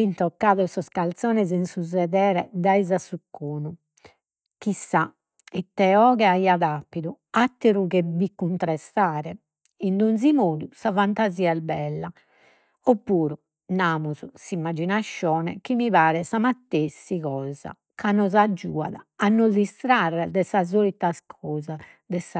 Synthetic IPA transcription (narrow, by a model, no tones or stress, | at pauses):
int̪ɔkːaːðɔsɔskalt̪sɔːnɛzinsuzɛðɛːɾɛd̪aizasukːoːnu | kisːa | ɛt̪ːɛɔːɣɛaiaðapːiðu | at̪ːiɾuɣebikːunt̪ɾɛst̪aːɾɛ | ind̪unzimoːd̪usafant̪aziːaɛbɛlːa | opːuːɾu | namuzusimːad͡ʒinaʃːɔːnɛ̰kimiβaːɾɛsamat̪ːesːiɣɔːza̰ | kanɔzad͡ʒːṵːa̰ðaːnːɔzd̪ist̪ɾarːɛd̪ɛsazolit̪askʰɔːza | d̪ɛsa